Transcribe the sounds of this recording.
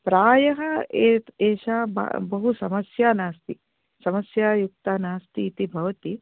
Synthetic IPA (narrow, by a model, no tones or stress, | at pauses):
pɾaːjɐɦɐeːt̪eːʃaːba̰bɐɦusɐmɐsjaːnaːst̪i | sɐmɐsjaːjuk̚t̪aːnaːst̪iːt̪ibʱɐʋɐt̪i